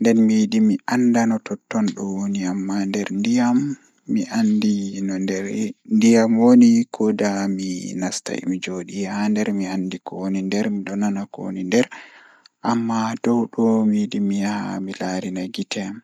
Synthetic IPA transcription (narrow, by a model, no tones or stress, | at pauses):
ndɛnmidimiʔandanɔtɔtːɔnɗɔwoniamːandɛɾndijamː | iʔandin | ndijamwonikʰɔdaminasta̰j̰mid͡ʒoɗijɛhandɛɾmiandikɔonindɛɾmiɗɔnanako̰nindɛɾ | ʔamːadɔwɗɔmidimijaha̰milaɾinaɡitʰɛ